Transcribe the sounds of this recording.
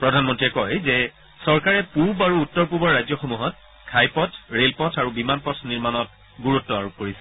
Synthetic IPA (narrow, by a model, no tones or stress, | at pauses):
pɹɔdʱanmɔntɹiɛkɔjzɛ | sɔɹkaɹɛpuɹbaɹuːtːɔɹp̬uɹbɔɹajzɔxomuɦɔt̚ | kʰajpɔtʰɹelpɔtʰaɹubimanpɔtʰniɹmanɔt̚ | ɡuɹutːɔa̰ɹop̚koɹisɛ̥